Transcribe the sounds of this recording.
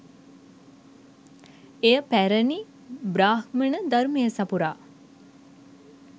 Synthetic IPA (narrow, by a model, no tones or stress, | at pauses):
ejəpæɾəni | bɾaːhmənəd̪ɐɾumejəsapuɾaː